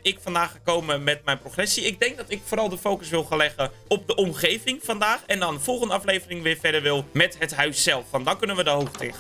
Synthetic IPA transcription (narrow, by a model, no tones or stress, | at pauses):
ɪkfɑndaːχəkowməmɛtmɛjnproχrɛsiɪɡ̚dɛŋk̚dɔtɪkfoːɾɑlˠdəfowkəsʋɪlˠxanlɛχə | ɔp̚dəʔɔmχejvɪŋfɑndaːχɛndɔnəfɔlˠχəndəɑflejvərɪŋʋɪːɹfɛdəɹʋɪlˠmɛtɦətɦœɥsːɛlˠfʋɑntdɔnkɵnənʋədəɦoxtʰɪ̰xə